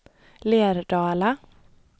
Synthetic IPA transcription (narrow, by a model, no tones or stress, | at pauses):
leːɾɖɑːlə